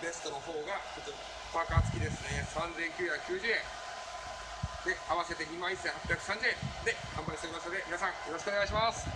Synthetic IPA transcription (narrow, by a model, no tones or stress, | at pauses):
be̞sɨ̥t̪o̞no̞ɦo̞ːɡakot͡ɕo | pakaːt͡sɨ̥kʲid̪e̞sɨne̞sãnd͡zẽ̞ŋkʲɨːçakɯ̟̥kʲɨːʑɨːẽ | d̪̥e̞aβase̞t̪e̞ɲ̟imãɰ̃isːẽhapːʲjakɯ̟̥sãɲd͡ʑɨẽ̞nd̪e̞hãmbaisɾʲimasɨnod̪e̞mʲinasãŋ̃jo̞ɾoɕ̬ikoneaɕ̬imasɨ̥